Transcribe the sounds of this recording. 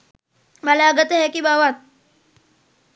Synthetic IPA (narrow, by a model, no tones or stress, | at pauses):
malaːɡət̪əɦekibaʋat̪̚